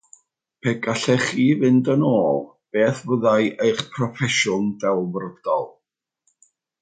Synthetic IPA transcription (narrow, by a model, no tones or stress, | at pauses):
pʰɛɡaɬɛχiːvɪndənoːlˠ | b̥eːθvəðajʔejχpʰrɔfɛʃʊndɛlˠvrɔd̥ɔ̰lˠ